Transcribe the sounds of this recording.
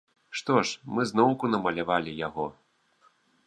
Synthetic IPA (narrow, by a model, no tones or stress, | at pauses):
ʂt̪ɔʂmɨznɔwkunɐmɐlʲavalʲijaɣɔ